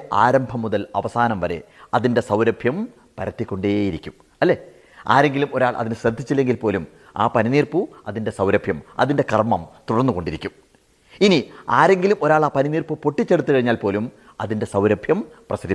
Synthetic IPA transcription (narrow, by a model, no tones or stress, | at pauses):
ʔaːɾɐmbʱɐmːuðɐlɐʋɐsaːnɐmʋɐɾe̞̰ɐðinde̞sɐwɾɐbʱjɐm | pɐɾɐt̪ːikʲːo̞ɳɖejiɾikʲːum | ɐlːe̞ː | aːɾe̞ŋɡilumo̞ɾaːɭʔɐ̰ðinɕɾɐd̪ʱit͡ɕːilːe̞ŋɡilpo̞ːlum | a̰ːpɐniniːrpuɐðinde̞sɐwɾɐbʱjɐmɐ̰ðinde̞kɐrmɐmt̪uɽɐrnːuko̞ɳɖiɾikʲːum | iniaːɾe̞ŋɡilumo̞ɾaːɭaːpɐniniːrpupo̞ʈːit͡ɕːe̞ɽut̪ːukɐɻiɲːaːlpo̞ːlum | ɐðinde̞sɐwɾɐbʱjɐmprɐsɐd̪i